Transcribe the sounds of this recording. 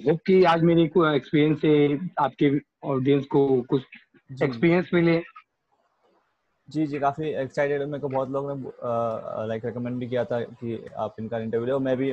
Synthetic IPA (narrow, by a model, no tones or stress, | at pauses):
ɦoːp̚kiaːd͡ʒmeːɾekekspiːɾjə̃nsɦeaːp̚ke | ɔːɖijə̃nskokʊt͡ʃʰ | d͡ʒekspiːɾijə̃nsmɪle | d͡ʒiːd͡ʒiːkaːfiɛksaɪʈeɖmẽkobʱɔːt̪loːɡne | laɪkɾɛkəmɛ̃ɳɖbʱikijat̪ʰakia̰ːpɪ̃nkaɪ̃ɳʈəɾʋjuːloːmɛ̃bʱi